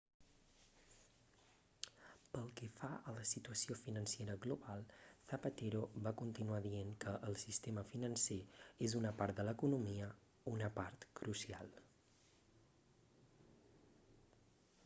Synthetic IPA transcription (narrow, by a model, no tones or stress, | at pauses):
pəlˠkɛfaələsit̪uəsiofinənsieɾəɣluβalˠθəpət̪eɾoβakunt̪inuaðieŋkəʔːlˠsist̪eməfinənseezunəpaɾt̪̚d̪ələkunumiə | unəpaɾt̪kɾʔusia̰lˠ